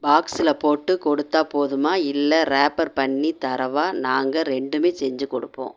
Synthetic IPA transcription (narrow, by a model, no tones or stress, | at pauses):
baːksɪlɐpoːʈːɯkɔɽɯt̪ːaːpoːðɯmaːɪlːɐɾaːpɐɾpɐɳːit̪ɐɾɐʋaːnaːŋɡɐɾɛɳɖɯmeːsɛɲd͡ʒɯkɔɽɯpːõ̰ː